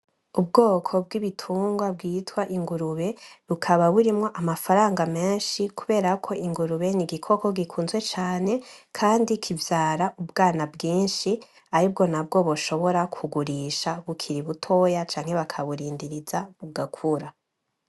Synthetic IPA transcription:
ub̚ɡo̞ːkʰo̞b̚ɡiβitʰuːŋɡwab̚ɡiːtwaʔiŋɡuɾuβe̞ɾukʰaβaβuɾimŋo̞ʔamafaɾaːŋɡame̞ːnʃikuβe̞ːɾakʰo̞iŋɡuɾuβe̞niɡikʰo̞ko̞ɡikʰuːnzwet͡ʃaːne̞kʰaːndikʰivjaːɾaʔubɡaːnabɡiːnʃi | aɾibɡo̞nab̚ɡo̞βoʃo̞βo̞ɾakʰuɡuɾiʃaβukʰiɾiβutʰo̞jat͡ʃaːŋ̥he̞βakʰaβuɾiːndiɾizaβuɡakʰuɾa

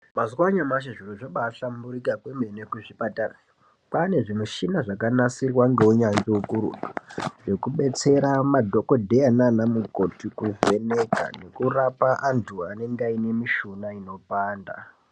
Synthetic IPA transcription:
mazwaɲamaʃ̬aʐiruʐoɓaɬambuɾikakwemenekuʐipatara | pane̞ʐimuʃinaʐakanasirwaŋɡe̞uɲaŋd͡ʒeukuɾṵduʐe̞kuɓe̞t͡se̞ɾamadʱo̞ko̞dʱe̞ananamukotikuve̞neka̰ne̞kurapaʔantʰuane̞ŋɡaine̞miʃunaino̞paːnda̰

